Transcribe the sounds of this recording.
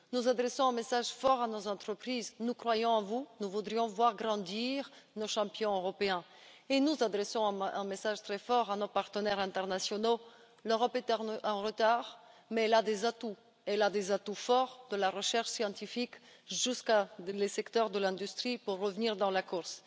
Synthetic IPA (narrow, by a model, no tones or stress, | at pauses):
nuzad̪ʁɛsɔ̃ɛ̃mesaʒfɔʁanozɑ̃t̪χəpχiznukχwajɔ̃ɑ̃vunuvud̪ʁijɔ̃vwaʁɡʁɑ̃d̪iʁnoʃɑ̃pjɔ̃øʁɔpeɛ̃ | enuzad̪ʁɛsɔ̃ɛ̃ɛ̰̃mesaʒt̪χɛfɔʁanopaʁt̪ənɛʁɛ̃t̪ɛʁnasjɔno | løʁɔpɛt̪ɛɛ̃ʁət̪aʁmɛɛlad̪ezat̪u | ɛlad̪ezat̪ufɔʁd̪̥əlaʁəʃɛʁʃsjɑ̃t̪ifikʒyskalesɛkt̪œʁd̪əlɛ̃d̪yst̪χipuʁːəvniʁd̪ɑ̃lakuʁs